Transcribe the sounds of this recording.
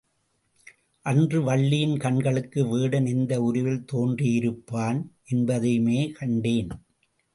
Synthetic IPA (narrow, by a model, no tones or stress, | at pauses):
ʔɐndrɯʋɐɭːɪjɪnkɐɳɡɐɭɯkːɯʋiːɽɐnɪnd̪ɐʊɾɯʋɪlt̪oːndrijɪɾɯpːaːnʔɛnbɐðɐmeːkʰɐɳɖeːn